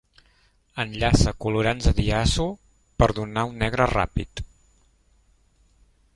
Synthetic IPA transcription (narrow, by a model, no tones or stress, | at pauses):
ənʎasəkuluɾanzəðiasu | pəɾðunaunːɛɣɾəra̰pḭt̪